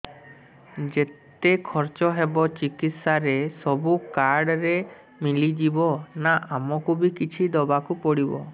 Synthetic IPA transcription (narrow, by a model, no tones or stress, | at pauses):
d͡ʒet̪ekʰɔɾt͡ʃɔɦebɔt͡ʃikit̪saɾesɔbukaɾɖɾe | milid͡ʒibɔnaʔamɔkubikit͡ʃʰid̪ɔbakupɔɽibɔ̰